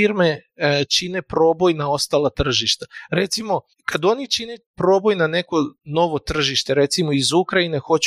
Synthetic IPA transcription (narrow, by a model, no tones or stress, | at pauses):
iɾme̞t͡ʃine̞pɾo̞ːbo̞jnao̞st̪alˠat̪r̩ʒiʃt̪aɾe̞t̪simo̞ | kʰad̪o̞nit͡ʃinepɾo̞ːbo̞jnane̞ko̞no̞ʋo̞t̪r̩ʒiʃt̪e̞ɾe̞t̪simoizukɾaine̞xo̞t͡ɕ